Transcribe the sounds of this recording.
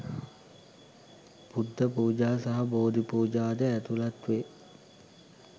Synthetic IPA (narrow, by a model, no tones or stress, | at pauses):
pud̪ʱːəpuːd͡ʒaːsaɦɐboːd̪ipuːd͡ʒaːd̪əæt̪ulat̪ʋe